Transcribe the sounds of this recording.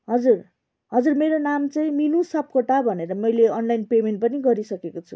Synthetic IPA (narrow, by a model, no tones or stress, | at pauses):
ɦʌd͡zur | ɦʌd͡zurmeɾonamt͡sʌĩminusʌp̚koʈabʱʌneɾʌmʌjleʌnlajnpemenʈpʌniɡʌɾisʌkekot͡sʰṵ